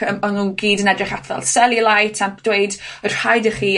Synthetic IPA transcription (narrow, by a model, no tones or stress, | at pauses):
əmɔnunɡiːdənɛdrɪχatʰvɛ̰lˠsɛlˠilˠajtʰɛmpd̥weɨdər̥hajdəχiː